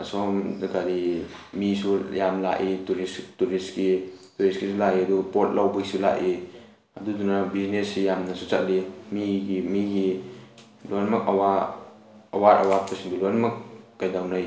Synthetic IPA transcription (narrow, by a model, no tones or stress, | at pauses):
asɔmdaɡaɾimisujamla̰ʔituɾistuɾiskituɾiskisulaʔiɐdupot̚lawbaisula̰ʔi | adudunabiznesijamnɐsut͡ʃat̚limiɡimiɡi | lonmakawa | ɐwaɾa̰wapasiŋbilojnmakːajdawnaj